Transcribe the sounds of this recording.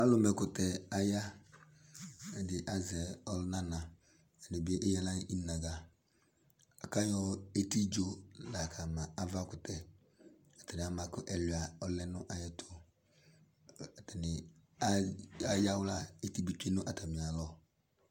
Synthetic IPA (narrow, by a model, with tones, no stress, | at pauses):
a˦lʊ˦mɛ˨kʊ˨tɛ˨a˨ja˦ | ɛ˨dɪ˨ʔa˨zɛ˨ɔ˦lna˦na˨ | ɛ˨ni˨be˦ʔe˦ja˦la˦˨i˦na˨ɡa˨ | a˨ka˦jɔ˦e˦ti˦d͡ʒo˦la˨kʰa˨ma˨a˦va˦kʊ˨tʰɛ˨ | a˨tɛ˨nɪ˨a˨ma˨kʊ˦ʔɛ˨li˨a˨ɔ˦lɛ˦nʊ˦ʔa˨jɛ˦tʰʊ˦ | a˨tɛ˨nɪ˨a˦a˨ja˦wla˦e˦ti˦bi˦t͡ʃe˦nʊ˦ʔa˨ta˨mi˨a˨lɔ˦